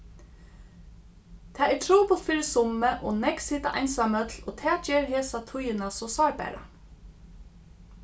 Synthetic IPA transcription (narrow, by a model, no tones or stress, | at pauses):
t̪ʰɛːɛʈʰɾuːpʊlt̪fɪːɾɪsʊmːəʔɔ̰nɛksiːt̪aʔajnsamœt̪lɔːt̪ʰɛːd͡ʒeːɹɦeːsat̪ʰʊjɪnasɔsɑːɹbæ̰ːɾa̰